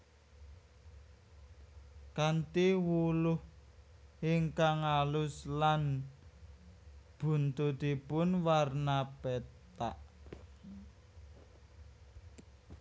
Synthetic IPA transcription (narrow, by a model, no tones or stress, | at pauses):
kant̪iwulʊh | iŋkaŋalʊslan | b̥ṳnt̪ud̪i̤pʊnwarnapet̪a̰ʔ